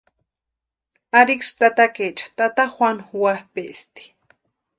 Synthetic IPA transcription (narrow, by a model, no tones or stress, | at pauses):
aɾikst̪at̪aket͡ʃḁt̪at̪axʷanxwahpeʔst̪i̥